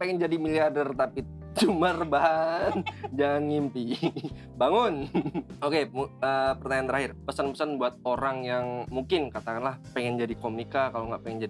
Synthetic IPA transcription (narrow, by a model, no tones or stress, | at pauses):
peŋɛnd͡ʒadimiliardərt̪api | d͡ʒumərbaɦand͡ʒaŋanŋimpi | baŋʊnokemuəpərt̪aɲant̪əɾahɪrpəsanpəsanbuat̪̚oɾaŋjaŋmuŋkɪnkat̪akanlahpeŋɛnd͡ʒadikomikakaloŋɡaʔpeŋɛnd͡ʒadi